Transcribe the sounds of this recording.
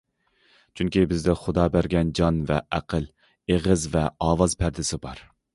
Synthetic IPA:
t͡ʃʰyŋkʲibɪzd̪ɪχʊd̪ɑːbæɾɡʲɛnd͡ʒɑnvɛ̰ʔæqʰəl | eʁəzvɛɑːwɑzpʰæɾd̪ɪsɪbɑɾ

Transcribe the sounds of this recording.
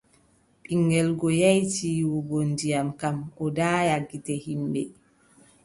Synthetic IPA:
ɓiŋɡɛlɡɔjajtiːwɔɡondijamkamʔɔdaːjaɡːitɛhimbɛ

